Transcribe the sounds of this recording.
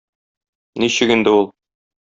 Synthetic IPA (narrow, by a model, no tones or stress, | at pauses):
niɕɘkind̪ɘulˠ